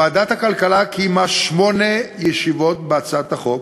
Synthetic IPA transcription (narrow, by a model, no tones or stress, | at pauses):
aːd̪at̪hakalkalakʰimaʃmo̞nejeʃivo̞t̪bat͡sat̪aχo̞k